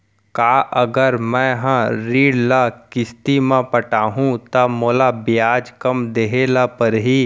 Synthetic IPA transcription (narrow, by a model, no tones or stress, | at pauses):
kaːʔəɡəɾmɛ̃ɦãɾiːɽlakɪst̪imãpɐʈaːɦũt̪ɐmoːlabɪjaːd͡ʒkɐmd̪eɦeːlapɐɾɦiː